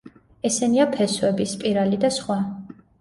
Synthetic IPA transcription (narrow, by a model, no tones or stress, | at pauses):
ɛsɛniapʰɛswɛbispʼiɾalid̪asχwa